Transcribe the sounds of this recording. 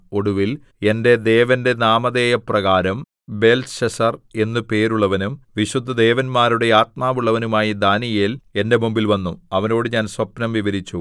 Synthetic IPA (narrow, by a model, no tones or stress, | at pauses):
o̞ɽuʋil | e̞nde̞d̪e̞ːʋɐnde̞naːmɐd̪e̞ːjɐprɐɣaːɾɐm | be̞lsɕɐsɐre̞nːɨpe̞ːɾuɭːɐʋɐnumʋiɕud̪ʱːɐd̪e̞ːʋɐnmaːɾuɽe̞aːt̪̚maːʋuɭːɐʋɐnumaːjid̪aːnijeːle̞nde̞mumbilʋɐnːuɐʋɐno̞ːɽɨɲaːnsʋɐpnɐmʋiʋɐɾit͡ɕːu